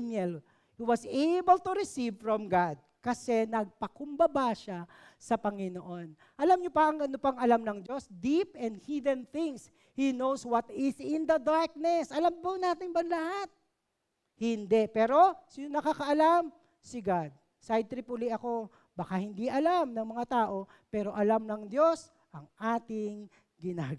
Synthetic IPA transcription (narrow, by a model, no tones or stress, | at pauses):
nɛl | hiwɐsejbəlt̪uɾɪsivfɹɔmɡad̪̚kɐsɛnɐɡ̚pɐkʊmbɐbaʃa | sɐpɐŋɪnoʔo̞n | ʔɐlamɲopɐʔɐŋɐnopɐŋɐlamnɐŋd͡ʒo̞sd̪ipɛ̃nd̪̚hid̪ɛnθɪŋs | hinowswɐt̪ɪsɪ̃nd̪ɐd̪aɹk̚nɛsʔɐlampɐnaːt̪ɪŋbɐnlɐhat̪̚ | hɪnd̪ɛpɛːɾo̞sɪonɐkakɐʔɐlam | sɪɡad̪̚ | sajd̪̚t̪ɾɪpʊliʔɐko̞ | bɐkahɪnd̪iʔɐlamnɐŋmɐŋat̪aːʔo̞ | pɛːɾo̞ʔɐlamnɐŋd̪jo̞s | ʔɐŋʔaːt̪ɪŋ | ɡɪnaːɡ